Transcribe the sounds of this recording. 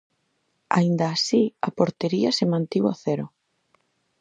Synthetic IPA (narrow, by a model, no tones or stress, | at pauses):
a̰ind̪aːsiapoɾt̪eɾiɐsemãnt̪iwaθeɾʊ